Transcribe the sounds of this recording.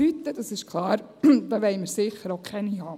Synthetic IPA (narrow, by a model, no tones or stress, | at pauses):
yt̪ːəd̥ɑsɪʃkʰlˠɑːɾ | d̥̪ɑːʋɛɪməɾsɪχːəɾoʊkʰɛnihɑː